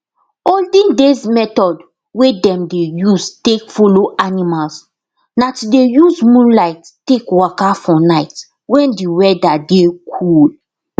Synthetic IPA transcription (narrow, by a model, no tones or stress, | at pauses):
oldĩndezmɛtɔd | wedɛ̃mdejuztekfoloʔanimals | natudejuzmũnlaɪtːtekwɔkafɔnaɪt | wɛ̃ndiwɛdadekʰul